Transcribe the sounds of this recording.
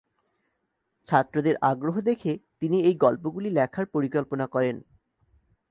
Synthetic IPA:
t͡ɕʰat̪ːɾod̪eɾʔaɡɾoɦod̪ekʰet̪iniejɡɔlpoɡulilɛkʰaɾpoɾikɔlponakɔɾen

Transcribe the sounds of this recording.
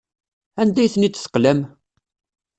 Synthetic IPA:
ænd̪æjθnit͡s̪ːθə̥qlæm

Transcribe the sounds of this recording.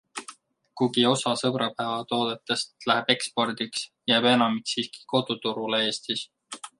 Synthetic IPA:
kuɡio̞sɑsɤbɾɑpævɑt̪o̞ːd̪̥et̪ːˑe̞st̪læɦeb̥e̞kspo̞rd̪̥iksjæːbe̞nɑmiksiːski̥ko̞d̪̥ut̪uɾulee̞ːst̪is

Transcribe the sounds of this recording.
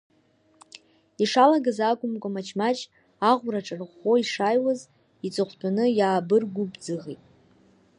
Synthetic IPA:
iʂalaɡazakʷʼʊmkʷʼamat͡ʃʰmat͡ʃʰʼ | aʁʷraʈ͡ʂʼɨrχo̞iʂajwaz | it͡sʼɨχʷtʰʼanɨjaːbɨrɡʷubd͡zɨʁitʼ

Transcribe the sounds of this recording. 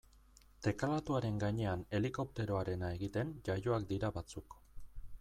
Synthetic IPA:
t̪e̞kalat̪uaɾe̞ŋɡaɲe̞ane̞liko̞p̚t̪e̞ɾo̞aɾe̞nae̞ɣit̪e̞nd͡ʒajo̞ak̚d̪iɾaβat͡suk

